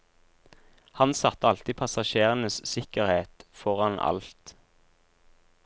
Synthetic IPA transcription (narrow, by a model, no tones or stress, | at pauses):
hɑnsɑt̪əɑlt̪iːpʰɑsɑʃeːʁənəssɪkəʁheːt̪fɔʁɑnɑ̰lt̪